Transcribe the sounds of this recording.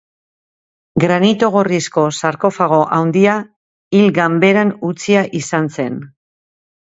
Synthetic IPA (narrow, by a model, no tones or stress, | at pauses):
ɡɾanit̪o̞ɣo̞risko̞saɾko̞faɣ̞o̞ʔawnd̪ia | ilɡambe̞ɾanut͡siaʔisanse̞n